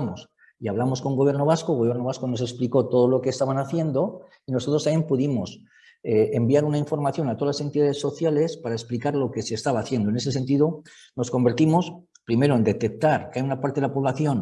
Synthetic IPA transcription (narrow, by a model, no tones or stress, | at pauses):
mos | iaβlamo̞sko̞ŋɡoβje̞ɾnoβ̞askoɣojeɾno̞βasko̞no̞sespliko̞t̪o̞ð̞olokeːst̪aβanaθje̞nd̪o̞ | ino̞sot̪ɾosaempuðimo̞s | eembiaɾunaiɱfo̞ɾmaθjo̞nat̪o̞alase̞nt̪iðaðe̞sːo̞θjale̞spaɾaesplikaɾlo̞ke̞se̞ːst̪aβaːθje̞nd̪oe̞ne̞sese̞nt̪̬iðo̞ | no̞sko̞mbe̞ɾt̪imo̞s | pɾime̞ɾoe̞nd̪e̞t̪e̞k̚t̪aɾkeajunapaɾt̪e̞ðelapo̞βlaθjo̞n